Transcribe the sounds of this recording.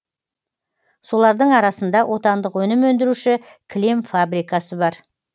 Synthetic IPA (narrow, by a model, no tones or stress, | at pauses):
so̞lˠɑɾd̪əɴɑɾɑsənd̪ɑwʔo̞t̪ɑnd̪əqwɵnɪmwɵnd̪ɪɾuʃɪ | kʲʰlemfabɾijkɑsəbɑɾ